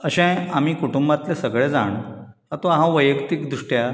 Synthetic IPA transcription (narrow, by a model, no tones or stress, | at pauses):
əɕɛ̃am̤iːkuʈumbat̪lesəɡɭed͡za̰ɳ | at̪oaɦãʋəjəkt̪ikd̪ɾuʂʈja